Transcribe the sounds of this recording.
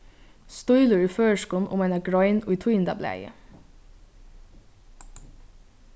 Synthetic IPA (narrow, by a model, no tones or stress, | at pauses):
st̪ɔʏlʉɹiːføːʃkuːn̩ʔʊ̰mɛɪnɑɡɹɔʏnʊɪt̪ʰujnd̪ɑ̰blæ̰ɪə̰